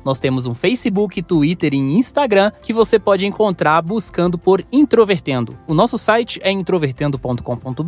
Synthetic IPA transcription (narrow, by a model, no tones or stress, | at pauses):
nɔst̪ẽmʊzũfejsɪbukɪt̪uit̪eɾẽj̃ĩst̪aɡɾɐ̃kɪvosepɔd͡ʒɪẽkõnt̪ɾaɾbuskɐ̃nd̪ʊpoɾĩt̪ɾoveɾt̪ẽnd̪ʊʊnɔsʊsajt͡ʃɪɛĩt̪ɾoveɾt̪ẽnd̪ʊpõt̪ʊ̥kõpõnt̪ʊb